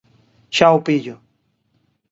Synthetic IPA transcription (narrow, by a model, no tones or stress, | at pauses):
ʃawpɪʎʊ